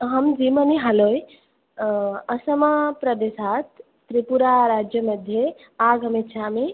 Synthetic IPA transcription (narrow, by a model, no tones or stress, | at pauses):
ɦɐmd͡ʒiməniɦaloj | ɐsəmɐpɾɐd̪esaːt̪ː | ɾipuɾaɾaːd͡ʒjəmɐd̪ʱje | aːɡɦəmit̪ʃʰame